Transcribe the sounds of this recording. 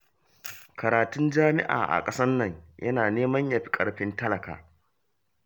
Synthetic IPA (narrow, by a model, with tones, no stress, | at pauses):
kɐ˨ɾaː˨tʊ˦nd͡ʒaː˦mɪ̰˦ʔa̰ː˨ʔa̰˨kʼɐ˦sɐː˦ɐ˨ɲjʔɐ˦naː˨neː˦mɐ˦ɲja˨ɸi̥˦kʼɐ˦ɽɸɪ˦ntɐ˦lɐ˨ka̰ː˨